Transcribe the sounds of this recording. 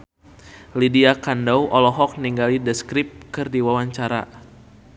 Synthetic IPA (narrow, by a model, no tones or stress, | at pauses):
lidiakandɔwʔɔlɔɦɔk̚niŋɡalidɛskɾɪp̚kɨrdiwawaɲt͡ʃaɾa̰